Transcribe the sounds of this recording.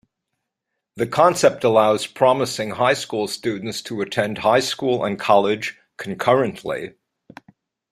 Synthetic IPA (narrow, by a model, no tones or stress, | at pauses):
ðɨkʰɑ̃nsɛp̚təlaʊz̥pʰɹ̥ɑməsɪ̃ŋhaɪskulˠstʉdⁿn̩tstʰəɨtʰɛ̃nd̚haɪskulˠə̰̃nkʰɑlˠɪd̥ʒ̥ | kʰn̩kʰɜ˞ɨ̃nʔlḭ